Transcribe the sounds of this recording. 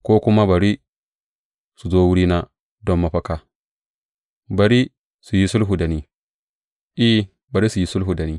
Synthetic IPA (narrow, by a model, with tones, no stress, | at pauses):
koː˦kʊ˦ma˦ba˨ɾi˦ | su˨zo˦wu˦ɾi˦na˦ | dɔ˦mːa˨ɸɐ˦ka˨ | ba˨ɾi˦ | su˨ji˦sʊ˦lɦu˨da˨ni˦ | ʔi˦ | ba˨ɾi˦su˨ji˦sʊ˦lɦu˨da˨ni˦